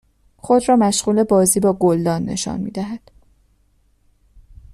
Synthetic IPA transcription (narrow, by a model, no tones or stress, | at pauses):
xo̞d̪rɒːmæʃɣuːle̞bɒːziːbɒːɡold̪ɒːnːḛʃɒ̰ːnmḭːd̪æɦæd̪̥